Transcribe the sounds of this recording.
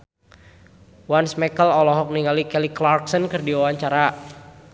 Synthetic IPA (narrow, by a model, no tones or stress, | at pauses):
wansmɛkəlɔlɔɦɔk̚niŋalikɛliklarksənkɨrdiawaɲt͡ʃaɾa